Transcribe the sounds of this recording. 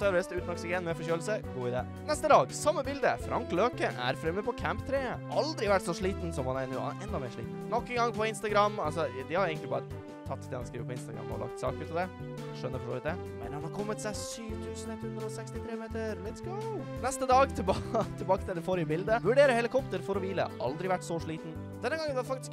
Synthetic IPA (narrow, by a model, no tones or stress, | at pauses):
t̪œɾlɛst̪ʉːt̪nɔksɪɡɛnmɛfɔçøːl̩səɡuːɪd̪ḛː | nɛst̪əd̪ɑːɡsɑmːəbɪld̪əfɾʔɑ̰ŋkløːkəʔæ̰ɾfɾɛməd̪pʰɔkʰæmpt̪ʰɾeːʔɑld̪ɾɪʋæʈːsɔʂɭiːt̪n̩sɔmhɑnæɾnṵːʔɛnd̪ɑmḛːɾʂɭḭːt̪̩nɔkːəŋɡɑŋːpʰɔɪnst̪ɑɡɾɑmːɑlsɔd̪ɪhɑɾeɪɡəɪbɑːɾə | t̪ʰɑt̪ːd̪ɛhɑnskɾiːʋəpʰɔɪnst̪ɑɡɾɑ̰mːɔ̰ɔ̰lɑ̰kt̪sɑ̰ːkʉːt̪ɑd̪ɛ | ʂœnːəɾfɔʂo̰ːʋɪt̪̚d̪ɛ | mɛ̰nhɑnhɑkʰɔmːət̪sæɪsyːʋt̪ʰʉːsn̩ɛt̪hʉnd̪ɾəɔsɛkst̪ɪt̪ʰɾeːmeːt̪əɾlɛt̪sk | nɛst̪əd̪ɑːɡt̪ʰɪbt̪ʰɪbɑːkət̪ɪld̪ɛfɔɾjəbɪld̪əʋʉɖeːɾəhɛlɪkʰɔpt̪əɾfɔɾɔʋiːlə̰ʔɑ̰ld̪ɾɪʋæʈːsɔʂɭiːt̪n̩ | d̪ɛnːəɡɑŋənʋhɑfɑkt̪ɪ̥sk